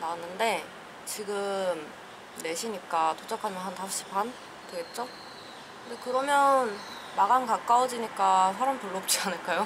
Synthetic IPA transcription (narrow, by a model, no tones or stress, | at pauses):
nanːɯnde̞ | t͡ɕiɡɯm | ne̞ɕʰiɲik͈atod͡ʑ͈akʰamjʌnɦantaɕ͈i̥pʰan | tweɡe̞t̚t͡ɕ͈o | kkkɯnde̞kɯɾʌmjʌn | maɡankak͈awʌd͡ʑiɲik͈asʰaɾampuɭːoːp̚t͡ɕ͈ianɯɭk͈ajo